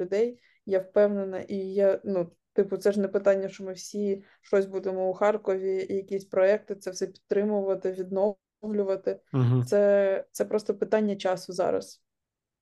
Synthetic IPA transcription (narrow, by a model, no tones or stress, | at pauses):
ʊd̪ɛj | jawpɛwnenɐʔijanu | t̪ɪpʊt̪sɛʐnɛpɪt̪ɑnʲːɐʃt͡ʃɔmɪwsʲi | ʃt͡ʃɔsʲbud̪emɔʊxɑrkɔʋʲijɐkʲisʲpɾɔɛk̚t̪ɪt̪sɛwsɛpʲi̥t̪ːɾɪmʊʋɐt̪ɪʋʲid̪nɔ | wlʲʊʋɐt̪ɪt̪sɛt̪sɛpɾɔst̪ɔpɪt̪ɑnʲːɐt͡ʃɑsʊzɑ̰ɾɐ̰s